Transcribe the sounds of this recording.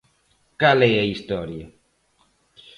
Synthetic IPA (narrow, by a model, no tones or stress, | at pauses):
kaleaist̪ɔɾja